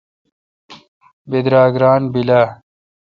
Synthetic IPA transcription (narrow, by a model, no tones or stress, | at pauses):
bed̪ɾaːɡɾaːnbila